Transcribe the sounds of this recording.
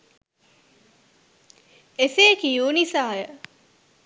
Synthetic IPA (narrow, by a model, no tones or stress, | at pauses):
eseːkijuːnisaːjə